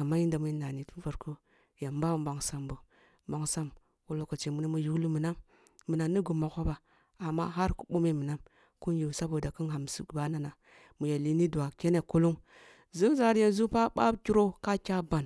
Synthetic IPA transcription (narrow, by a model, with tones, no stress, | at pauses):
a˨ma˦ji˦nda˨mu˨i˦na˨ni˨tu˦va˨ɾko˦ | ja˨mba˦˨ba˨ŋsa˨mbo˨˦ | ba˨ŋsa˦m | wu˨lo˨ko˨t͡ʃe˨mu˦ni˦mu˦ju˦ɡlu˦mu˨na˦mː | ə˨na˨nːi˦ɡu˨ma˨ko˦ba˨ | a˨mːa̰˦ɦa˦ɾku̥˦ɓo˦me˦˨mə˨na˦m | ku˦n˦ju˨sa˦bo˨da˨kə˦nɦa˨m˨su˨ba˦na˦na˨ | mu˨ja˨li˨˦ni˦du˨a˨kʲe˦ne˨ko˦lo˦m | zu˦m˦za˦ɾje˨n˦zu˦pa˦ba̰˦bkʲi˦ɾo˦ka˦kʲa˦ba˨n